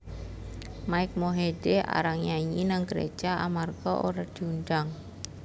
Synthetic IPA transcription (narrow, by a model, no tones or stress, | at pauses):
maɪk̚moɦeɖea̰ɾaŋɲaɲinaŋɡəɾḛ̥d͡ʒ̥aʔamarɡ̥ɔʔo̰ɾad̪̥iundaŋ